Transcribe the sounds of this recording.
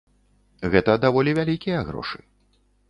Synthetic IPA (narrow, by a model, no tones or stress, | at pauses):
ɣɛt̪ɐd̪avɔlʲivʲalʲikʲijɐɣɾɔ̰ʂɨ̥